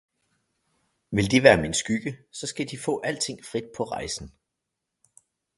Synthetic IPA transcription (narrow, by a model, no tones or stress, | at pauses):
ʋe̝ld̥iʋæːɐmensɡ̥yɡ̥əsɒ̽sɡ̥æd̥ifɔ̰̽ːʔæl̰t͡sʰe̝ŋ̰fʁid̥̚pʰɒ̽ʁɑ̈ɪsn̩